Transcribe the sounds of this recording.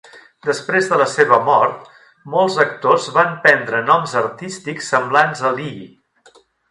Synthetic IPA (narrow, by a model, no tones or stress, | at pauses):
d̪əspɾezðələseβəmɔɾt̪̚ | mɔlˠzək̚t̪ozβampɛnd̪ɾənɔmzəɾt̪ist̪iksːəmblanzəlii